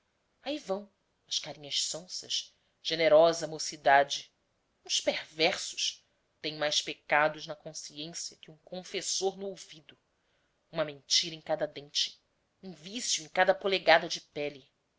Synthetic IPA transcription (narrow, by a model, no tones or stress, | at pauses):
aivɐ̃w̃ | ɐʃkaɾĩɲɐʃsõsɐ̰ʃ | ʒ̥eneɾɔzɐmosid̪ad͡ʒɪ | ũspeɾvɛɾsʊ̥ʃ | t̪ẽj̃majʃpekad̪ʊznɐkõsiẽsjɐkɪũŋkõfesoɾnʊowvid̪ʊ | ũmɐmẽnt͡ʃiɾɐẽŋkad̪ɐd̪ẽnt͡ʃɪ̥ | ũvisjuẽj̃kad̪ɐpoleɡad̪ɐd͡ʒɪpɛli